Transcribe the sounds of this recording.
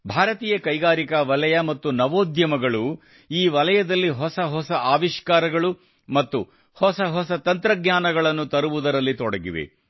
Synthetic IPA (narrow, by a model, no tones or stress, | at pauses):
bʱaːɾɐt̪iːjɐkɐjɡaːɾikɐʋɐlɐjɐmɐt̪ːunɐʋoːd̪jɐmɐɡɐɭu | iːʋɐlɐjɐd̪ɐlːiɦɔsɐɦɔsɐʔaːʋiʃkaːɾɐɡɐɭu | mɐt̪ːu | hɔsɐɦɔsɐt̪ɐnt̪ɾɐɡɲaːnɐɡɐɭɐnːut̪ɐɾuʋud̪ɐɾɐlːit̪ɔɽɐɡiʋḛ